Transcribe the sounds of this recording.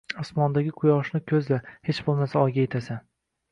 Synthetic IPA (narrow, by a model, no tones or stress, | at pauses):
ɒsmɒnd̪aɡʲɪqʰʊjɒʃnɪkʲʰɵzlahe̞t͡ʃbolˠmasaɒjɡʲajet̪ʰasan